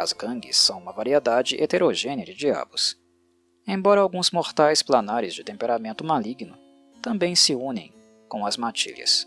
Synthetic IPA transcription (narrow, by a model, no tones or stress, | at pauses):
ɐ̰zɡɐ̃ɡɪ̰sːɐ̃w̃ũmɐvaɾied̪ad͡ʒɪʔet̪eɾoʒẽnɪɐd͡ʒɪd͡ʒia̰bʊs | ẽj̃bɔɾɐawɡũzmoɾt̪ajsplanaɾɪzd͡ʒɪt̪ẽmpeɾamẽnt̪ʊmaliɡnʊ | t̪ɐ̃mbẽj̃sɪũnẽj̃ | kõw̃ɐzmat͡ʃḭlʲɐ̰s